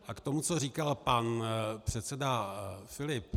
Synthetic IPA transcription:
ʔakt̪o̞mut͡soriːkalpanpr̝̥ɛt̪sɛdafɪlɪp

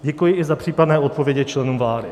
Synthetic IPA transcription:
ɟɛkujɪɪzapr̝̥iːpadnɛːʔo̞t̪̚povjɛɟɛt͡ʃlɛnuːmvlaːdɪ

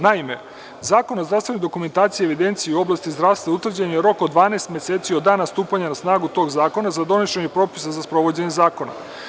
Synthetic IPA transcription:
naime̞̰ | zaːko̞nozd̪ɾavsʋe̞nojd̪o̞kument̪aːt̪sieʋid̪e̞nt̪sijiuo̞blˠast̪izd̪ɾaʋst̪vaut̪vr̩d͡ʑaɲejeɾo̞kod̪ʋaːnest̪mje̞set̪siod̪aːnast̪uːpaɲanasnaːɡut̪oɡzaːko̞nazad̪o̞neʃeɲepɾo̞pi̥sazaspɾo̞ʋo̞d͡ʑeɲe̞zaːko̞na̰

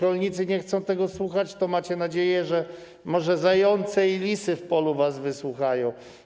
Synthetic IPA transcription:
kɔlɲit̪sɘɲɛxt̪sɔ̃w̃t̪ɛɡɔswuxat͡ɕt̪ɔmat͡ɕɛnad͡ʑejɛʐɛ | mɔʐɛzajɔnt̪sɛilʲisɘfpɔluvasvɘswuxajɔ̃w̃

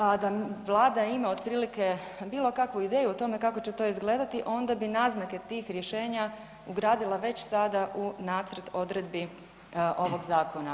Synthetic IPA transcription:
ad̪aʋlˠaːd̪aimaod̪pɾiːlike̞ | biːlˠo̞kakʋuid̪e̞ːjuot̪o̞me̞kako̞t͡ɕet̪o̞izɡle̞ːd̪at̪iʔo̞nd̪abinaːznake̞t̪iːxɾjeʃe̞ːɲa | uɡɾaːd̪ilˠaʋe̞t͡ɕsad̪aʔunaːt̪sɾt̪o̞d̪ɾe̞d̪bi | ʔo̞ʋo̞ɡzaːko̞na

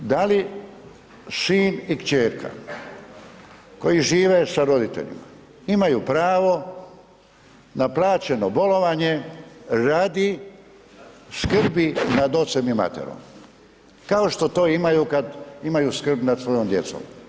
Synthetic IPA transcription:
d̪ali | ʃiːnikt͡ɕeːɾkʰa̰ | ko̞jiʒiːʋesaɾo̞d̪it̪ḛʎḭma | imajuːpɾaːʋo̞ | naplˠaːt͡ɕe̞nobo̞lo̞ʋaɲe̞ɾaːd̪i | skr̩binad̪o̞t̪se̞mima̰t̪ḛɾo̰m | kaoʃt̪o̞t̪o̞ːimajukad̪imajuskr̩bnad̪sʋo̞jomd̪je̞t̪so̰m

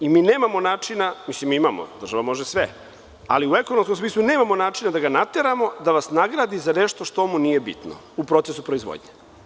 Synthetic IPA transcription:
imiːneːmamo̞naːt͡ʂinamislimiimamo̰d̪r̩ʒaʋamo̞ʒesʋe | a̰liue̞konomskomsmiːslˠune̞ːmamo̞naːt͡ʃinad̪aɡanat̪e̞ɾamo̞d̪aʋasnaɡɾaːd̪izaneʃt̪o̞ʃt̪omuniːje̞bḭt̪no̰ | upɾo̞t̪sesupɾoizʋo̰d̪ɲe

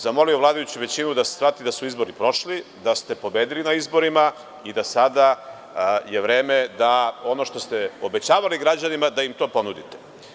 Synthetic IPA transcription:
zamo̞lio̞ʋlˠaːd̪ajut͡ɕuʋe̞t͡ɕinud̪ase̥sɾat̪id̪asuizbo̞ɾipɾo̞ʃlid̪ast̪e̞po̞beːd̪ilinaizbo̞ɾima | id̪asad̪a | jeʋɾe̞ːmed̪ao̞no̞ʃt̪o̞st̪eobet͡ɕaːʋaliɡɾad͡ʑanimad̪aimt̪o̞ːpo̞nud̪it̪e

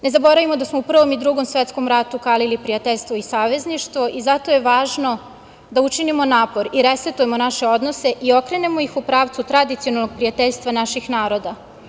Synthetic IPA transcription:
ne̞zabo̞ɾaʋimo̞d̪asmoupr̩ʋo̞mid̪ɾuɡo̞msʋet̪sko̞mɾat̪ukaːlilipɾijat̪eʎʲst̪ʋoisaːʋe̞zniʃt̪ʋo̞ʔizat̪o̞je̞ʋaːʒno̞ | d̪aut͡ʃinimo̞naːpo̞ɾiɾeset̪uje̞monaʃe̞o̞d̪nose̞ʔio̞kɾe̞nemo̞ixupɾaːʋt̪sut̪ɾad̪it̪sionalnoɡ̚pɾijat̪eʎʲst̪ʋanaʃixnaːɾo̞d̪a

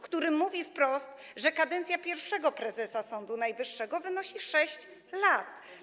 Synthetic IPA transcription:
kt̪uɾɘmuvʲifpɾɔst̪ | ʐɛkad̪ɛnt̪sʲjapʲjɛɾfʂɛɡɔpɾɛzɛsasɔnd̪unajvɘʂːɛɡɔvɘnɔɕiʂɛɕt͡ɕ | lat̪

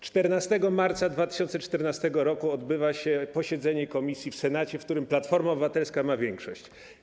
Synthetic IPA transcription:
t͡ʂt̪ɛɾnast̪ɛɡɔmaɾt̪sad̪vat̪ɪ̥ɕɔnt̪sɛt͡ʂt̪ɛɾnast̪ɛɡɔɾɔkuɔd̪bɘvaɕɛpɔɕɛd̪zɛɲɛkɔmʲisʲjifsɛnat͡ɕɛfkt̪uɾɘmplat̪fɔɾmaɔbɘvat̪ɛlskamavʲjɛŋkʂɔɕt͡ɕ

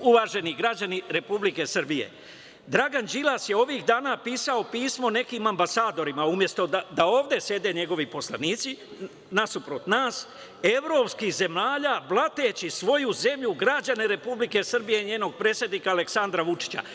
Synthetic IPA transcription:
uʋaːʒe̞niɡɾad͡ʑaniɾe̞publike̞sr̩bijḛ | d̪ɾaɡand͡ʒilˠasjeo̞ʋiːxd̪aːnapiːsao̞piːsmo̞ne̞kimambasaːd̪o̞ɾimaumje̞st̪o̞d̪aoːʋd̪e̞sje̞d̪e̞ːɲe̞ɡo̞ʋipo̞slˠaniːt̪si | nasupɾot̪naːs | e̞ʋɾo̞ːpskixze̞maːʎaːblˠat̪eːt͡ɕisʋo̞juze̞mʎuɡɾad͡ʑaneɾe̞publike̞sr̩bijeiɲe̞ːno̞ɡ̚pɾeːt̪sjed̪niːkaːle̞ksand̪ɾaʋut͡ʂi̥t͡ɕa̰

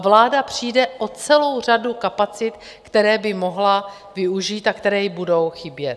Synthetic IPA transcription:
vlaːdapr̝̥ijdɛʔot͡sɛlo̞wr̝adukapat͡sɪt̪ | kt̪ɛɾɛːbɪmo̞ɦla | vɪuʒiːt̪akt̪ɛɾɛːjbudo̞wxɪbjɛt̪

